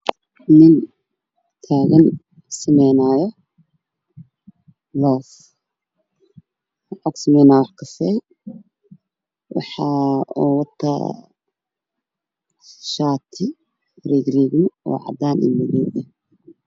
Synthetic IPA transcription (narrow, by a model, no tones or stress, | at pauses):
nɪn | t̪ʰaːɣɐn | sɪmɛjnaːjɔ | lɔːf | ʕɔɡsɐmɛjnaːwɑħkʰɐsɛj | wɑ̰ħɑuwɑt̪ʰːɐ̰ | ʃaːt̪ʰɪ | riːɡriːɡnʊɔ̰ːʕɑ̰d̪aːnʔɪ̰nmɐɣuːðɐ